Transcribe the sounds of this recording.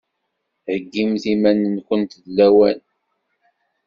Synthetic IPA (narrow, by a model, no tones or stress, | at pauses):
həɡːimθimænənkʷənt̪ðlːæwæn